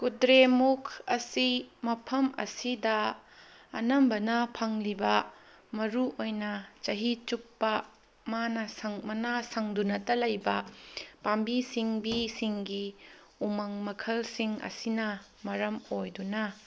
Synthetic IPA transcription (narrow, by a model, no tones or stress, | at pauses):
kudɾemukʰɐsimɐpʰɐmɐ̰sidɐ | ɐ̰nɐmbɐnɐpʰɐŋlibɐ | mɐɾuʔojnɐt͡ʃɐɦit͡ʃupːɐ | manɐsɐŋmɐnasɐŋdunɐtɐlɐjbɐpambisiŋbisiŋɡi | umɐŋmɐkʰɐlsiŋɐ̰sinɐ | mɐɾɐmojdunɐ